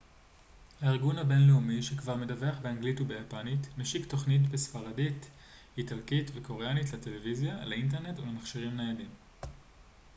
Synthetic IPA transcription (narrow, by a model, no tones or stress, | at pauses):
haiʁɡunhabe̞nleumiʃekvaʁmedaveaχbeaŋɡlitubejapanitnaʃikto̞χnit̬besfaʁadit | italkitveko̞ʁeanitlate̞levizjalaint̬eʁne̞tulemaχʃiʁimnejadim